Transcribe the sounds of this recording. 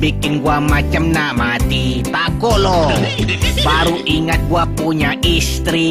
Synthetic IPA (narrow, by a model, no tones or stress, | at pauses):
bikɪnɡuamat͡ʃəmnamat̪it̪akɔʔlɔ | paɾuʔiŋət̪̚ɡuapuɲaʔist̪ɾi